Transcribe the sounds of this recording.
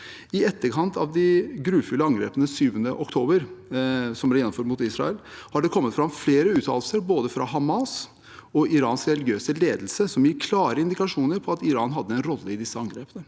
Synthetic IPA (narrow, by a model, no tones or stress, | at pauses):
ɪɛt̪ːəɾkʰɑnt̪ʰɑʋd̪ɪɡɾʉːfʏlːəɑŋɡɾḛːpənəsyːʋənəʔɔkt̪ʰoːbəɾ | sɔmb̪ɛɾjɛnːɔmføːɾmʊt̪ɪsɾɑ̰əlhɑɖɛkʰɔmːət̪fɾɑmfleːɾəʉːt̪ʰɑ̰ːləlsəɾboːd̪əfɾɑ̰ɦɑmɑs | ɔɪɾɑ̰ːnsɾɛlɪɡjøːsəleːd̪lsəsɔmjɪɾkʰlɑːɾəɪnd̪ɪkɑʂuːnəɾpʰɔɑt̪ɪɾɑ̰ːnɦɑd̪ːəɛnɾɔlːəɪd̪ɪsːəɑŋɡɾeːpənə